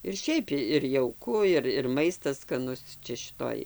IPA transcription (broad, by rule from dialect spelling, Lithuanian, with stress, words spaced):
ɪr ˈʃʲɛɪp ɪr jɛʊˈkʊ ɪr ɪr ˈmɐɪstɐs skɐˈnʊs ˈt͡ʃʲɛ ʃʲɪˈtoːj